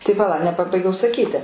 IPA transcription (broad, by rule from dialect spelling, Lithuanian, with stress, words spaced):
tɐɪ pɐˈlˠɐ nʲɛpɐˈbɐɪɡʲɛʊ sɐˈkʲiːtʲɪ